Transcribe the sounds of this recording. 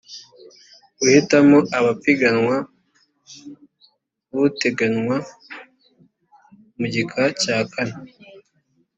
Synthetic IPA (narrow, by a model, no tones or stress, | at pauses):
uhitamoʔaβapiɡanŋwa | βuteɡanŋwa | muɟikʰacaːkʰana